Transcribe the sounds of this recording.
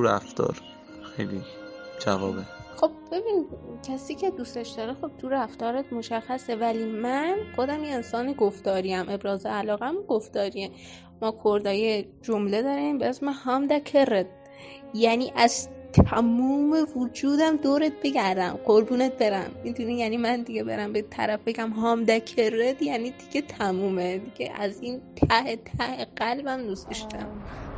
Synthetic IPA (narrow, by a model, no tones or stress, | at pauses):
uɾæ̰ft̪ɒ̰ːɾ | xejlid͡ʒævɒːbexo̞b̚b̥e̞biːnid̪cʰæsiːcʰe̞d̪ust̪eʃd̪ɒːɾexo̞b̥̚t̪ʰuɾæft̪ɒːɾet̪mo̞ʃæxːæse̞væliːmænxo̞d̪æmjeensɒːneɡoft̪ɒːɾiæmʔe̞bɾɒːzeælɒːɣæmuɡoft̪ɒːɾie | mɒːkʰoɾd̪ɒːjed͡ʒomle̞d̪ɒɾimbeesmehɒmd̪ækʰeɾed̪̚ | jæniːʔæz̥t̪ʰæmuːme̞vud͡ʒuːd̪æmd̪oːɾet̪̚be̞ɡæɾd̪æmɢoɾbuːnet̪̚be̞ɾæmːid̪unijænimænd̪iɟebe̞ɾæmbet̪ʰæ̰ɾæfbe̞ɡæmɦɒːmd̪ækʰered̪jæːniːd̪̥iɡ̥ʲet̪ʰæmuːmed̪iɡ̥ʲḛʔæ̰ziːnt̪ʰæhet̪ʰæheɢælbæmnuseʃt̪æm